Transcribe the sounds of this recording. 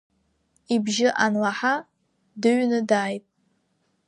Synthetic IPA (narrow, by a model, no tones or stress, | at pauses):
ibʒɪʔanlaħa | dɨɥnɨdaːjtʼ